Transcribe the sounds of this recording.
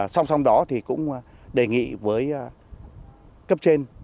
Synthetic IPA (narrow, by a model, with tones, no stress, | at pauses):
sa˧wŋ͡msa˧wŋ͡mɗɔ˨˦t̪ʰi˨˩kʊ̰˧˥ŋ͡m | ɗe˨˩ŋḭ˧˨vəː˨˦j | kə˦˥p̚t͡ɕe˧n